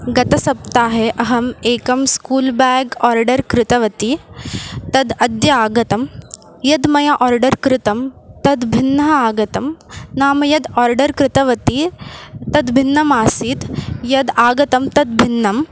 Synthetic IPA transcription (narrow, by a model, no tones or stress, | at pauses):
ɡɐt̪ɐsɐp̚t̪aːɦeʔɐɦɐmeːkɐmskuːlbaːɡɔːɾɖɐɾkɾɪt̪ɐʋɐt̪i | t̪ɐd̪ɐd̪jɐaːɡɐt̪ɐm | jɐd̪mɐjaʔɔːɾɖɐɾkɾɪt̪ɐmt̪ɐd̪bʱinːɐɦɐaːɡɐt̪ɐmnaːmɐjɐd̪aːɾɖɐɾkɾɪt̪ɐʋɐt̪it̪ɐd̪bʱinːɐmaːsiːt̪jɐd̪aːɡɐt̪ɐmt̪ɐd̪̚bʱinːɐm